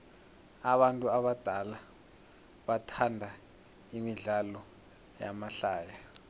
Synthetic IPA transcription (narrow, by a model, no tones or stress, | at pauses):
aɓantʼuaɓad̥ʱala | ɓatʰandʱa | imiɮalɔ | ja̰maɬaːja